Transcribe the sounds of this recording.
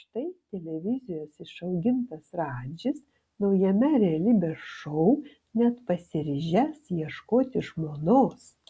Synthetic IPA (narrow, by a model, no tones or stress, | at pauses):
ʃt̪ɐɪt̪ʲɛlʲɛʋʲɪzʲɪjoːsɪʃɐʊɡʲɪnt̪ɐsɾɑːd͡ʒʲɪs | nɒʊjɛmʲɛɾʲɛɐlʲibʲɛʃɔʊ | nʲɛt̪pɐsʲɪɾʲɪʒʲɛsjiɛʃkoːt̪ʲɪʒmoːnoːs